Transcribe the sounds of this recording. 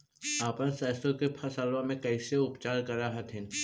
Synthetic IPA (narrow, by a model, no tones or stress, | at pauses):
aːpənsɛːst̪õkepʰɐsaːlõmẽkɛɪseʊpt͡ʃaːɾkɐɾaɦɐt̪ʰɪ̃n